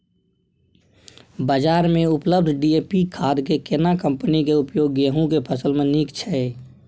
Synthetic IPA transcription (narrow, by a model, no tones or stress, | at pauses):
bəd͡ʒaːɾmẽʊpləb̚d̪ʱɖieːpikʰaːd̪kekɪnakə̃mpənikeʊpjoːɡeɦũkepʰəsəlmẽniːkt͡ʃʰɛ